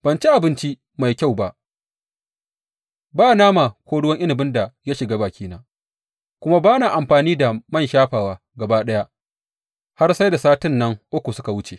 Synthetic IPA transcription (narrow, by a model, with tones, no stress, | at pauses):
b̥ɐ˨nt͡ʃi˦ʔa˨bɪ˦nt͡ʃi˦ | ma˨jkʲa˦˨wba˦˨ʔ | baː˦naː˦ma˨kʷoː˦ɽʊ˦wɐ˦ŋʔɪ˦nɪ˨bɪ˦nda˨ja˦ʃɪ˨ɡaː˦baː˨kʲʰiː˦naː˦ | kʷʊ˦ma˦baː˦naː˨ʔa˨mɸaː˨niː˦da˨mɐ˦nʃaː˦ɸaː˨waː˨ | ɡɐ˨baː˦ɗɐ˦ja˦ | ha˦rsa˦jda˨saː˦tɪ˦nːɐ˦ŋʔʊ˦kʷu˨sʊ˦ka˨wʊ˦t͡ʃe˨